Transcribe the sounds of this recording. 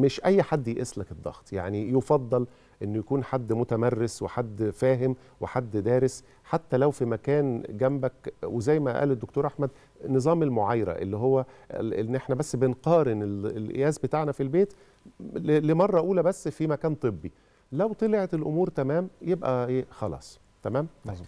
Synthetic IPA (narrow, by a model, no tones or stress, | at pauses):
meʃʔæjːħad̪ːjeʔeslæked̪ˤːɑ̰ɣt̪ˤja̰ʕnijofɑd̪ˤːɑl | ʔenːjækuːnħad̪ːmot̪æmærːesweħad̪ːfæːɦem | weħad̪ːd̪æːɾes | ħat̪ːælæwfimækæːnɡæmbækwezæjːmæʔæ̰ːled̪ːokt̪oːɾʔaħmæd̪ | nɨzˤɑːmelmoʕajɾæ̰ʔḛlːiɦowːæenːʔeħnæbæsːbenqɑːɾenelelʔḛjæːzbet̪aʕnæfilbeːt̪ | lemɑrˤːɑʔuːlæbæsːfimækæːnt̪ˤɨbːi | læwt̪ˤeleʕet̪elʔomuːɾt̪æmæːmjebʔæʔeːxɑlɑ̰ːsˤ | t̪æmæːm